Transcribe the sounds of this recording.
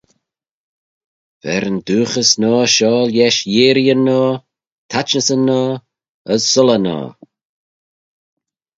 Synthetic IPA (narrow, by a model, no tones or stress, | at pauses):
v̥ɛ̰ɾənd̪uːxəsnɔːʃɔːljɛʃjeːɾiənɔː | t̪ʰat͡ʃnəsənːɔː | əssʊlənɔ̰ː